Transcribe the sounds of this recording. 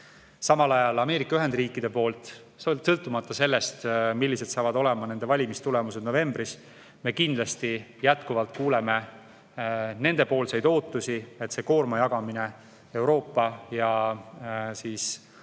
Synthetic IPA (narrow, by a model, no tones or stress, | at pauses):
sɑmɑlɑjɑlɑme̞ːɾikːˑɑyɦe̞nd̪̥riːkːˑid̪̥e̞po̞ːlt̪ˑ | sɤlt̪ːˑumɑt̪ˑːɑse̞lːe̞st̪milːise̞d̪̥sɑːvɑd̪o̞le̞mɑne̞nd̪e̞vɑlʲimist̪ule̞mused̪no̞ve̞mbris | me̞ːkind̪̥lɑst̪ijæt̪kuvɑlt̪̚ˑkuːle̞me̞ | ne̞nd̪e̞po̞ːlsɑjd̪o̞ːt̪ːˑusiet̪ːse̞ko̞ːrmɑjɑɡ̥ɑmine̞ | e̞wɾo̞ːpːɑjɑ | siːs